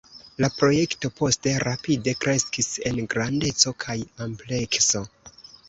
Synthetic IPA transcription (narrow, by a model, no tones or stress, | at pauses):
lapɾo̞je̞kto̞po̞ste̞ɾapide̞kɾe̞skise̞nɡɾande̞t͡so̞kʰajample̞kso̞